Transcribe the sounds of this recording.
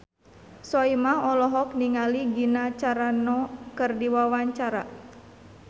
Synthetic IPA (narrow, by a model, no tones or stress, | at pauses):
sɔimaɔlɔɦɔk̚niŋaliɡinat͡ʃaɾanɔkɨrdiwawaɲt͡ʃaɾa̰